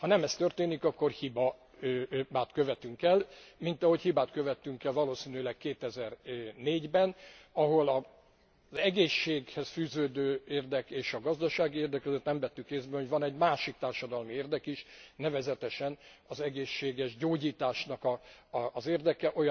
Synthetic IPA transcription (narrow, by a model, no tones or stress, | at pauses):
hɒnɛmɛst̪ørt̪eːnikɒkːo̞rhibɒ | baːt̪køvɛt̪yŋkɛlmint̪ɒɦo̞chibaːt̪køvɛt̪ːyŋkɛlvɒloːsiːnylɛkkeːt̪ɛzɛrneːɟbɛnɒɦo̞lɒ | zɛɡeːʃːeːɡhɛsfyːzøːd̪øːeːrd̪ɛkeːʃɒɡɒzd̪ɒʃaːɡieːrd̪ɛkøzøt̪nɛmvɛt̪ːykeːzbɛho̞ɟvɒnɛɟmaːʃik̚t̪aːrʃɒd̪ɒlmieːrd̪ɛkiʃnɛvɛzɛt̪ɛʃɛnɒzɛɡeːʃːeːɡɛʒɟoːɟiːt̪aːʃnɒkɒːzeːrd̪ɛkɛʔo̞j